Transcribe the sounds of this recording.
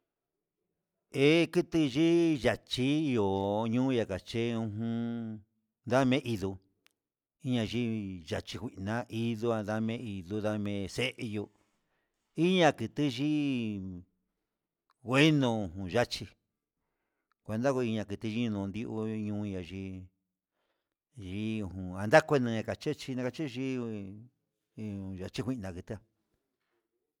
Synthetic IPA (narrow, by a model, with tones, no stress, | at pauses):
e˦kɨ˦t̪ɨ˧ʒi˦ʒa˨t͡ʃi˦i˧o˨ɲũː˦˧ja˧ka˨t͡ʃe˦ũ˧ɦũ˧˦ | nd̪a˦mẽ˦ʔi˧ðu˧ | i˦ɲã˧ʒi˦ʒa˨t͡ʃi˧kʷi˨˧nã˦ʔi˧ðu˧a˧nða˦mẽ˧˦i˧ðu˧ða˧mẽ˧se˦ʔe˧jo˧ | i˦ɲã˧kɨ˧t̪ɨ˦ʒi˦ | ɣʷe˦nũ˧˨ɦũ˨ʒa˦t͡ʃi˧ | kʷe˧nd̪a˦ko˧i˧ɲã˧kɨ˧t̪ɨ˧ʒi˧˦ɲũ˧nũ˧nd̪i˧˦ʔu˧ɲũː˧˦˧ã˧ʒi˧˦ | ʒi˦˧˨hũ˨ã˧nd̪a˦kʷe˧nũ˧ã˧ka˨t͡ʃe˦t͡ʃi˧nã˧ka˧t͡ʃi˦˧ʒi˦˧ | ũ˨ʒa˨t͡ʃi˦xʷi˧nã˨˧kɨ˧t̪ɨ˦a˧